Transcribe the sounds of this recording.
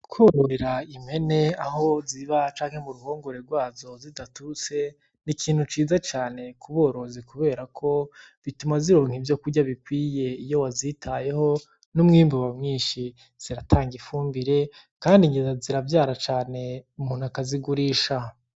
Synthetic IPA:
kwoɾoɾeɾaime̞ne̞aɦo̞ziβat͡ʃaːŋhemuɾuho̞ːŋɡo̞ɾe̞ɾɡwaːzo̞zidatut͡se̞ | nikʰiːn̥hut͡ʃiːzat͡ʃaːne̞kuβo̞ːɾo̞zikuβe̞ːɾakʰo̞ | βitumaziɾo̞ːŋhivjo̞kuɾɟaβikwiːje̞ijo̞wazitʰaje̞ho̞ | numŋiːmbuβamŋiːnʃi | z̥iɾatʰaːŋɡifuːmbiɾe̞ | kaːndiɲɡizaziɾavjaːɾat͡ʃaːne̞umuːn̥uakaziɡuɾiːʃa

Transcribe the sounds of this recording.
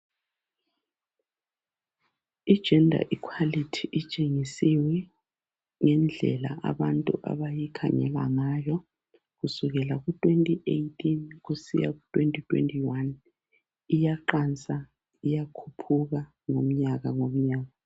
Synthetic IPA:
id̥ʒ̥ʱɛndʱa̰ʔikʰwalitʰiʔit͡ʃʼeŋisiwɛ | ŋɛnd͡ɮʱɛ̰la̰ʔa̰βantʼuʔa̰βajikʰa̰ŋɛ̰la̰ŋajɔ | ɣusuɣɛlaɣutʼwentʼiʔejtʰʼinɣusḭja̰ɣutʼwentʼitʰʼwḛntʼiwan | ijaǃant͡sʼa | ijakʰupʰuɣa | ŋom̩ɲaɣaŋom̩ɲaːɣa

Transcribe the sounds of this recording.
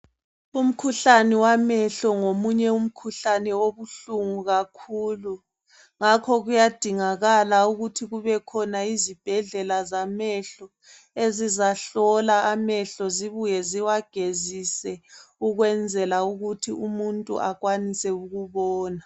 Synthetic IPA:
um̩kʰuɬanɛwamɛɬɔŋomuɲɛum̩kʰuɬanɛoβuɬuŋuɣakʰuːlu | ŋakʰɔɣujad̥ʱiŋaɣalauɣutʰiɣuβɛkʰɔnaizib̥ʱɛɮɛlazamɛɬɔ | ezizaɬɔlaamɛɬɔziβujɛziwaɡ̥ʱezisɛuɣwɛnd͡zʱɛlauɣutʰiumuntʼṵʔaɣwanisɛuɣuβɔːna

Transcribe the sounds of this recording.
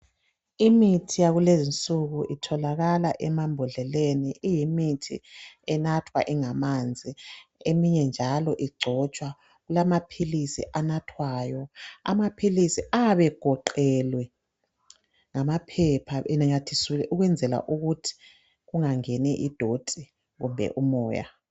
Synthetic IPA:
imitʰijaɣulezint͡sʼuɣuʔitʰɔlaɣalaʔɛmambʱɔɮɛleniʔijimitʰḭɛnatʰwa̰ʔiŋamand͡zʱiemiɲɛnd͡ʒʱalɔʔiɡ͡ǀʱɔt͡ʃʼwa | ɣulamapʰilisḭʔanatʰwaːjɔa̰mapʰilisiʔaβɛɡ̥ʱɔǃɛlwɛ | ŋamapʰɛpʰaɛnaɲatʰisilɛʔuɣwɛnd͡zʱɛla̰ʔuɣutʰi̥ | ɣuŋaŋɛnɛʔid̥ʱotʼi | ɣumbʱɛ̰ʔumɔːja̰

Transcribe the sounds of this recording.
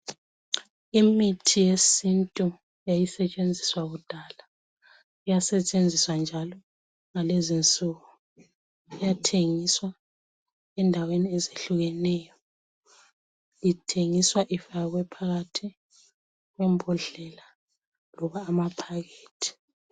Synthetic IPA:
imitʰijesintʼu | jajisɛt͡ʃʼend͡zʱiswaɣud̥ʱaːla | ijasɛt͡ʃʼend͡zʱiswand͡ʒʱalɔ | ŋalezint͡sʼuːɣu | ijatʰeŋiswa | ɛndʱaweniɛzeɬuɣɛnɛːjɔ | litʰeŋiswaʔifaɣwɛpʰaɣatʰi | ɣwɛmbʱɔɮɛla | lɔβaːmapʰaɣeːtʰi̥

